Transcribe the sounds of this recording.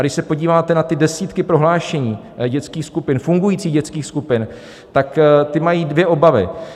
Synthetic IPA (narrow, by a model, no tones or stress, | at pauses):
aɡɾdɪʃsɛpo̞ɟiːvaːt̪ɛnat̪ɪdɛsiːt̪kɪpɾo̞ɦlaːʃɛɲiː | ɟɛt͡skiːxskupɪnfuŋɡujiːt͡siːɣɟɛt͡skiːxskupɪn | t̪akt̪ɪmajiːdvjɛʔo̞bavɪ̰